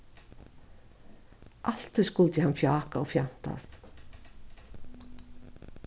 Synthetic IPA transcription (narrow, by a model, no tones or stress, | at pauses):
ʔal̥t̪ʰɔskʊlt̪jɛhanfjaːkaɔfjan̥t̪a̰st̪